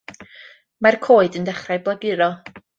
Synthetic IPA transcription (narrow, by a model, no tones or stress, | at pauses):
markʰoːɨdəndɛχrajblˠaɡɨɾɔ